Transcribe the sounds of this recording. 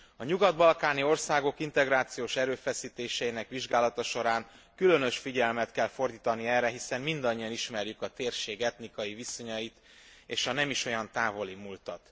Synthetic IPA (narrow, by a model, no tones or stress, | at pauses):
ɒɲuɡɒd̪bɒlkaːnio̞rsaːɡo̞kint̪ɛɡɾaːt̪sijoːʃɛɾøːfɛsiːt̪eːʃɛjinɛkʋiʒɡaːlɒt̪ɒʃo̞ɾaːŋ | kylø̞nø̞ʃfiɟɛlmɛt̪kɛlfo̞rd̪iːt̪ɒniɛrːɛɦisɛmmind̪ɒɲːijɒniʃmɛrjykɒt̪eːrʃeːɡɛt̪nikɒjiviso̞ɲɒjit̪ | eːʃɒnɛmiʃo̞jɒnt̪aːvo̞limuːlt̪ɒt̪